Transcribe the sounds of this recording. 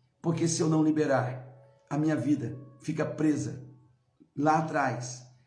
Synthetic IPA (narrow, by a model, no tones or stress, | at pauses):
poɾkesɪewnɐ̃w̃libeɾaɾ | ɐmĩɲɐvid̪ɐfikɐpɾezɐ̰ | laːt̪ɾajs